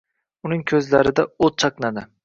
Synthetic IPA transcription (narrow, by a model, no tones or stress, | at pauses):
ʊnɪŋkʲʰɵzlaɾɪd̪aot͡ʃʰɑqnad̪ɪ